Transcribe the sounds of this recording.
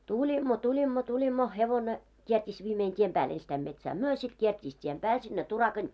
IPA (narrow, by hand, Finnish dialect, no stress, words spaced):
tulʲimːo tulʲimːo tulʲimːo heʋone kiertʲiːs ʋiːmein tiem pæːl enstæim metsæː myø sit kiertʲiːs tiem pæːl sinːe turɑkɑn